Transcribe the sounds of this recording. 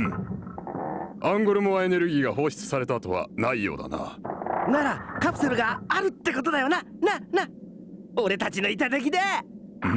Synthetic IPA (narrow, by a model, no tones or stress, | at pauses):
ɯ̟̃ | ãŋɡo̞ɾɯ̟moae̞ne̞ɾɯ̟ɡʲiːɡaho̞ːɕi̥t͡sɨ̥saɾe̞t̪aːt̪o̞βa̰naijo̞̰ːd̪a̰na̰naɾakapɯ̟̥seɾɯ̟ɡaːɾɯ̟t̪ːe̞ko̞t̪o̞d̪ajo̞nanana | o̞ɾe̞t̪at͡ɕino̞it̪at̪e̞k̬ʲid̪ẽ̞